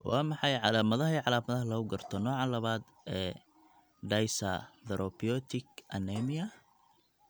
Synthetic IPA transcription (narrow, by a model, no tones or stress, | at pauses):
wɑːmɑħɑjʕɑlaːmɐðɐɦɐiʕɑlaːmɐðɐɦɐlɐʊɡɐrt̪ʰɔnɔːʕɑlɐβaːd̪ | ɛː | ɖɐjsɐ̰ðɛɾʔɔbijɔt̪ʰɪkʔɐnɛmɪɐ